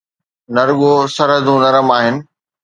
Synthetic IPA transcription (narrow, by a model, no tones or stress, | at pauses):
nɐɾɠosɐɾɦəd̪ũnɐɾəmaːɦɪnɪ̆